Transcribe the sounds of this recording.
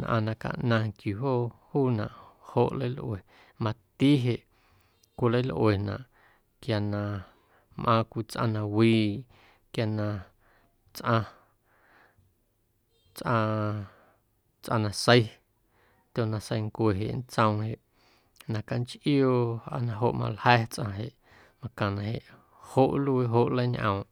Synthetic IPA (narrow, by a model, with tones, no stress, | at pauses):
nʔã̰˧nã˧ka̰˧ʔnã˧kju˨ɦo˦ʔhuː˦nã̰˨ʔho˧˨ʔlə˦jlʔwe˨ | mã˧t̪i˦ɦe˨ʔ | kʷi˧lə˦jlʔwe˨nã̰˨ʔ | kja˨nã˧˨ | mʔã˧kʷi˧t͡sʔã˧nã˧wiː˧ | kja˧˨nã˧ | t͡sʔã˧ | t͡sʔã˧ | t͡sʔã̰˧nã˨sə˧j | t̪ʲo˧˨nã˧sə˧jŋkʷe˨ɦe˨ʔn̩˦t͡sə̃˧w̃he˨ʔ | nã˨ka˧nt͡ʃʔjo˦˧a̰˧nã˧ɦo˧ʔmã̰˧lhɛː˦t͡sʔã̰˧ɦe˨ʔ | mã˧kã˨nã˨ɦe˨ʔ | ho˦ʔlu˧ɦo˦ʔlə˦jɲʔə̰̃˨w̃